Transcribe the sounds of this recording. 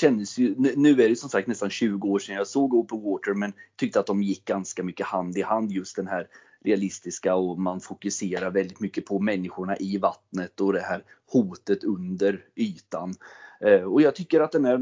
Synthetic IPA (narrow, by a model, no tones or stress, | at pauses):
ɕɛnd̪əsjɵnnʉ̟ːæɾɛjsɔmsak̚t̪nɛst̪anɕʉ̟ːɡʊoːʂɛnːjɑːsoːɡʊpːənwoːt̪əɾmɛnt̪ʰʏkt̪əat̪̚d̪ɔmjɪk̚ːɡanskamʏkːəhand̪ɪhand̪jɵst̪̚d̪ɛnɦæːɾ | ɾɛalɪst̪ɪskaɔmanfʊkɵseːɾaɾvɛld̪ɪt̪mʏkːəpʰɔmɛnːɪɧʊɳaʔɪvat̪nət̪ɔd̪ɛɦæːɾ | huːt̪ət̪ɵnd̪əɾyːt̪an | ɔjɑːɡ̚t̪ʰʏkːəɾat̪̚d̪ɛnæɾ